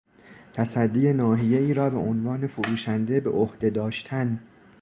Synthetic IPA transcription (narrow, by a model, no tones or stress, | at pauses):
t̪ʰæsæd̪ːije̞nɒːɦije̞iːɾɒːbe̞̰ʔonvɒːne̞foɾuːʃænd̪e̞be̞̰ʔohd̪̥e̞d̪ɒːʃt̪ʰæn